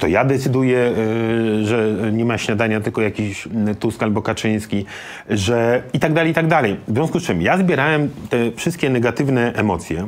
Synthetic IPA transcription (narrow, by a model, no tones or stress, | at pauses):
t̪ɔjad̪ɛt̪sɘd̪ujɛ | ʐɛɲɛmaɕɲad̪aɲat̪ɘlkɔjakʲiɕt̪uskalbɔkat͡ʂɘj̃skʲi | ʐɛit̪aɡd̪alɛjit̪aɡ̚d̪alɛjvzvʲjɔ̃skust͡ʂɘmjazbʲjɛɾawɛmt̪ɛfʂɘst̪̚kʲɛnɛɡat̪ɘvnɛʔɛmɔt̪sʲjɛ